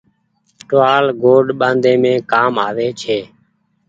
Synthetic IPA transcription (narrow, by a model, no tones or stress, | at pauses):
ʈʋaːlɡoːɖɓãːnd̪ẽːmẽːkaːmaːʋeːt͡ʃʰeː